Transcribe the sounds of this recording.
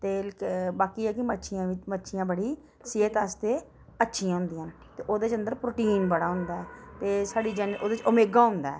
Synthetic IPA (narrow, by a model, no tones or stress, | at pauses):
t̪eːkbaːkiːɛːkɪmətːʃʰɪjãːʋɪt͡ʃmətːʃʰɪjãːbəɽiː | sɪt̪aːst̪eː | ətːʃʰiãːɦʊ̃nd̪ijãːn | t̪eːʔoːd̪eːt͡ʃənd̪əɾpɾoːʈiːnbəɽaːɦʊ̃nd̪aːɛːt̪eːsaːɖiːd͡ʒənoːd̪et͡ʃʊmeːɡaːɦʊ̃nd̪aːɛː